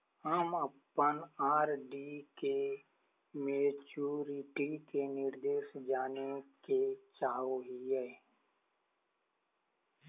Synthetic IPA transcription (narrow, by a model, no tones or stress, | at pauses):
həməpːənaːɾɖike | meːt͡ʃuːɾɪʈikenɪɾd̪eːʃd͡ʒaːneket͡ʃaːɦoɦiɦɛː